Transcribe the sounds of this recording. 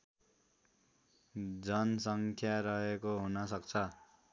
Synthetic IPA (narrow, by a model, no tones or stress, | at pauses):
d͡zʌnsʌŋkʰjaɾʌɦekoɦunʌsʌkt͡sʰʌ